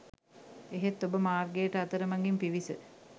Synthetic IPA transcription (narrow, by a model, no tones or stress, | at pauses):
eɦet̪ːobəmaːrɡejːʈəat̪əɾəmaŋɡimpiʋisə